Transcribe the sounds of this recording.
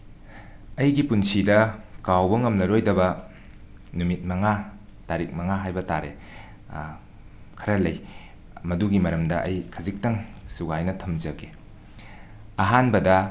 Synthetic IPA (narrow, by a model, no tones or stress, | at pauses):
ɐjɡipunsidɐkawbɐŋɐmnɐɾojdɐbɐ | numit̚mɐŋataɾik̚mɐŋaɦajbɐtaɾḛ | kʰɐɾɐlɐj | mɐduɡimɐɾɐmdɐʔɐ̰jkʰɐzik̚tɐŋsuɡajnɐtʰɐmzɐɡe | ɐɦanbɐdɐ